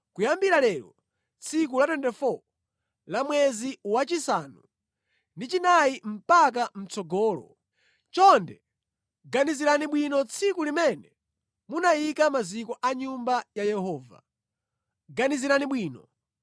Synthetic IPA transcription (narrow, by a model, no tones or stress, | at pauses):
kujambiɾalɛɾɔ | t͡sʰik̬ulatɛndɛfɔ | lamwɛziwat͡ʃisanṵ | ndit͡ʃinajim̩pak̬am̩t͡sɔɡɔːlɔ̰ | t͡ʃɔndɛ | ɡaniziɾaniɓwinɔt͡sʰikulimɛnɛ | munajikamazikɔʔaɲumbajajɛhɔːva̰ | ɡaniziɾaniɓwiːnɔ